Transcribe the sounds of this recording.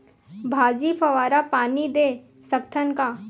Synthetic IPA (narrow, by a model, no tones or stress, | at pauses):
bʱaːd͡ʒifɐʋaːɾapaːnid̪eː | sɐkt̪ʰənkaː